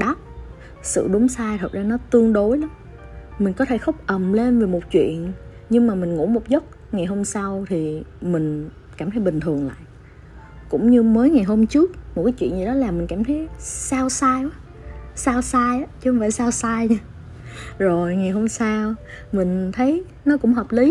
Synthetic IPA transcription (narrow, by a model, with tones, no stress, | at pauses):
ɗɔ˦p̚ | sɨ̰˧˨ɗʊ˨˦ŋ͡msaː˧jt̪ʰə˨˩t̚zaː˧nɔ˨˦t̪ɨ˧əŋɗo˨˦jlɔ˨˦m | mï̟˨˩kɔ˨˦t̪ʰe˧˩xə˦˥wk͡p̚ʔə˨˩mle˧nve˨˩mo˨˩t̚t͡ɕwḭ˧˨ən | ɲɨ˧ŋmaː˨˩mï˨˩ŋ̟ŋṵ˧˥mo˨˩t̚zə˦˥k͡p̚ | ŋa˨˩jɦo˧msa˧wt̪ʰi˨˩mï˨˩ŋ̟ | kaː˧˩t̪ʰə˨˦jɓï˨˩ŋ̟t̪ʰɨ˨˩əŋla̰ː˧˨jʔ | kʊ̰˧˥ŋ͡mɲɨ˧məː˨˦jŋa˨˩jɦo˧mt͡ɕɨ˦˥ək̚m˨˩t̚kaː˨˦jt͡ɕwḭ˧˨ənzi˨˩ɗɔ˨˦laː˨˩mï˨˩ŋ̟kaː˧˩mt̪ʰə˨˦jsaː˧wsaː˧jʔa˨˦ | saː˧wsaː˧jʔa˨˦t͡ɕɨ˧˦hŋ͡mfa̰ː˧˩jsaː˧wsaː˧jɲa˧ | zo˨˩jŋa˨˩jɦo˧msaː˧wmï˨˩ŋ̟t̪ʰə˨˦j | nɔ˨˦kʊ̰˧˥ŋ͡mɦəː˨˩p̚li˨˦